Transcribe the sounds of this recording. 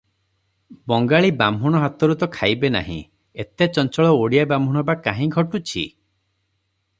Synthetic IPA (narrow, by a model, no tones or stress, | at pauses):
bɔŋɡaɭibambʱuɽ̃ɔɦat̪ɔɾut̪ɔkʰajbena̰ɦḭ̃ | et̪et͡ʃɔnt͡ʃɔɭɔoɽijabambʱuɽ̃ɔbakaɦĩɡʱɔʈut͡ʃʰḭ